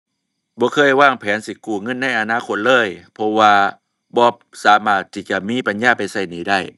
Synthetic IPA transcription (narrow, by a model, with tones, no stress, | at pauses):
bɔː˧˦kʰɤː˧˥˨jwaː˧˥˩ŋpʰɛː˨˦nsi˧kuː˧˩ŋɤ˧˥˨nːa˧˥˨jʔa˧naː˧˥˨kʰo˧t̪̚lɤː˧˥˨jpʰɔ˧waː˧ | bɔː˧˦ | saː˨˦maː˧˩t̪ʰːiː˧˩t͡ɕa˧˩miː˧˥˨pa˧˨njaː˧˩pa˨jsa˧˩jniː˨˦da˧˥˩j